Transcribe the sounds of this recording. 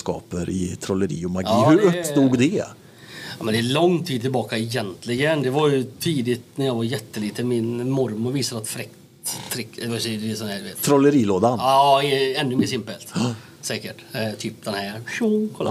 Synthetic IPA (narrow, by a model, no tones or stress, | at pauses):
skɑ̰ːpəɾɪ̰t̪ʰɾɔlːəɾḭːɔmaɡiːhɵɾɵsd̪uːɡd̪ɛ | ɑmɛnd̪ɛːlɔŋːt̪ʰiːd̪̚t̪ɪlbɑːkaɛjɛnt̪ʰlɪɡənd̪ɛvaɾjɵt̪ʰiːd̪ɪt̪næɾjɑːɡvaɾjɛt̪ːəliːt̪əmɪnmɔɾmʊɾviːsad̪əat̪fɾɛkt̪ʰːɾɪksɛɪsɔnd̪æːd̪veːt̪t̪ʰɾɔlːəɾiːloːd̪anɪɛnːɵmeːsɪmpəlt̪ | sɛːkəʈt̪ʰyːp̚d̪ɛnhæɾʃukʰɔlːa